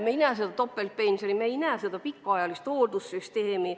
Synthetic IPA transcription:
mejnæːs̬ed̪ɑt̪o̞pːelt̪̚penʲseɾimejnæːsed̪ɑpikːɑɑjɑlist̪oːd̪usːyst̪eːmi

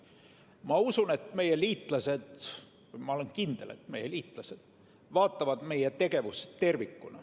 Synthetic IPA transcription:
mɑusune̞t̪ˑme̞je̞liːt̪ˑlɑse̞d̪̥ | mɑo̞lenkind̪̥e̞le̞̰t̪ːme̞je̞liːt̪ˑlɑse̞d̪̥ | vɑːt̪ːˑɑvɑd̪̥me̞jet̪e̞ɡe̞vust̪ːe̞rvikːˑunɑ̰

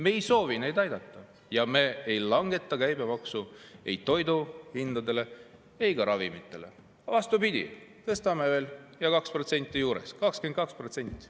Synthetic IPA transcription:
me̞ːjso̞ːvine̞jd̪ɑjd̪̥ɑt̪ːˑɑ | jɑme̞ejlɑŋɡ̥e̞t̪ˑːɑkæjbe̞mɑksue̞̰jtt̪ːo̞jd̪uhind̪̥ɑd̪e̞le̞ | e̞jɡ̥ɑɾɑvimit̪ːˑe̞̰le̞̰ | ɑvɑst̪ubid̪̥ʲḭt̪ɤst̪ɑme̞ve̞ːljɑkɑkspro̞t̪se̞nʲt̪ːˑijuːɾe̞̰skɑksken̚kɑkspro̞t̪se̞nʲt̪ʲˑːi̥

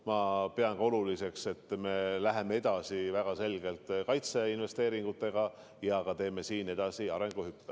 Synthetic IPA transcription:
mɑpeɑŋko̞lulise̞kse̞t̪ːˑme̞læɦe̞mee̞d̪̥ɑsivæɡ̥ɑse̞lɡ̥e̞lt̪ˑkɑjt̪se̞inve̞st̪e̞ːɾiŋɡ̥ut̪ːˑe̞ɡ̥ɑ | jɑɡ̥ɑt̪e̞ːme̞siːne̞d̪̥ɑsiɑɾe̞ŋɡ̥uhypːe

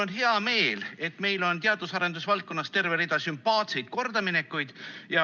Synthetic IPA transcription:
onɦeɑme̞ːle̞t̪ːˑme̞jlo̞nt̪eɑd̪̥usɑɾe̞nd̪̥usvɑlt̪̚ko̞nːɑst̪e̞rve̞ɾid̪̥ɑsympːɑːt̪se̞jd̪̥̚ko̞rd̪̥ɑmine̞kːˑujd̪̥jɑ

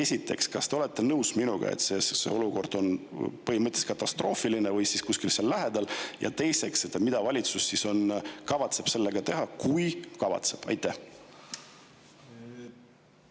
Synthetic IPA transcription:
e̞sʲit̪ːˑe̞kskɑst̪eole̞t̪ːˑe̞nɤwsminuɡ̥ɑ̰ḛt̪sessḛo̞luko̞rd̪̥o̞npɤɦimɤt̪ʲle̥skɑt̪ːˑɑst̪ro̞ːfilinevɤjsiskusʲkilseɑlːæɦe̞d̪̥ɑljʔɑ̰t̪e̞jse̞kset̪ːˑemid̪̥ɑvɑlʲit̪susːiso̞nkɑvɑt̪se̞b̥se̞lːe̞ɡ̥ɑt̪e̞ɦɑkujkɑvɑ̰t̪se̞̥b̥ɑ̰jt̪ːˑæh

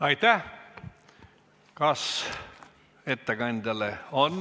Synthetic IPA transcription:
ɑjt̪æ | kɑs | et̪ːeɡɑnʲd̪ɑleon

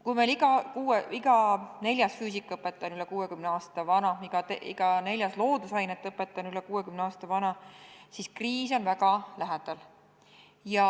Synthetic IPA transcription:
kujmeliɡ̥ɑkuːeiɡ̥ɑne̞lʲjɑsfyːsikːˑɤpːˑe̞t̪ˑːɑnylɛkuːekymneɑːst̪ɑvɑnɑiɡ̥ɑt̪eḭɡ̥ɑne̞lʲjɑslo̞ːd̪usɑjnet̪ːˑɤpːˑet̪ːˑɑnylɛkuːekymneɑːst̪ɑvɑnɑsiskriːso̞nvæɡ̥ɑlæɦed̪̥ɑl | jɑ

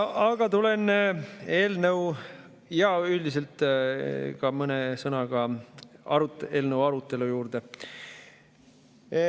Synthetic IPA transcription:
ɑɡ̥ɑt̪ule̞n | e̞ːlnəw | jɑylʲd̪is̬e̞lt̪ːˑ | kɑmɤnesɤnɑɡ̥ɑɑɾut̪eːlnəwɑɾut̪ːˑe̞lujuːrd̪̥e

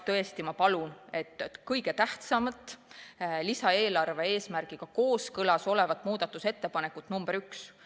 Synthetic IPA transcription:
t̪ɤ̞e̞st̪imɑpɑlune̞t̪ːˑkɤjɡ̥e̞t̪æht̪sɑmɑt̪ːˑ | lisɑe̞ːlɑrve̞e̞ːsmærɡ̥iɡ̥ɑko̞ːskɤlɑso̞le̞vɑt̪ːˑmuːd̪̥ɑt̪ːˑuse̞t̪ːe̞pɑne̞kːˑut̪ːˑnumb̥eɾyks

